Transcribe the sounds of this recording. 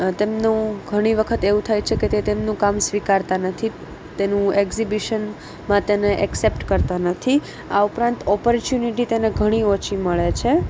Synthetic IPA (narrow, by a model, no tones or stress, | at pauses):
t̪emnũɡʱəɽ̃iʋəkʰət̪eʋũt̪ʰajt͡ʃʰeket̪et̪emnũkamsʋikaɾt̪anət̪ʰi | t̪enũekzibiʃən | mãt̪eneʔɛksepʈkəɾt̪anət̪ʰi | aupɾãnt̪ɔpəɾt͡ʃjuniʈit̪eneɡʱəɽ̃iot͡ʃʰiməɭet͡ʃʰe